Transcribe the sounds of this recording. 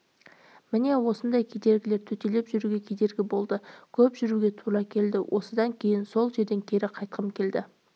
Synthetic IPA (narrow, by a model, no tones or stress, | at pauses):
mɪne̞wo̞sənd̪ɑjkʲʰe̞d̪e̞ɾɡʲɪle̞ɾt̪ʰɵt̪e̞le̞pʒʏɾuɡʲe̞kʲʰe̞d̪e̞ɾɡʲɪbo̞lˠd̪əkʲʰɵpʒʏɾuɡʲe̞t̪ʰuɾˠɑkʲʰe̞ld̪ɪwʔo̞səd̪ɑŋkʲʰe̞jɪnso̞lˠʒe̞ɾd̪eŋkʲʰe̞ɾɪqʰɑjt̪qʰəmkʲʰe̞ld̪ɪ̰